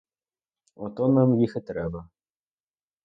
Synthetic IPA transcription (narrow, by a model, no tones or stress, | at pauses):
ɔt̪ɔnamjixɘt̪ɾɛbɐ